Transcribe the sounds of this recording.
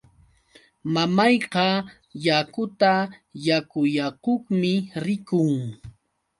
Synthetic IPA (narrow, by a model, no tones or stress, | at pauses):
mamɑjqɑ | jakʊt̪ajakʊjakʊχmɪɾɪkʊŋ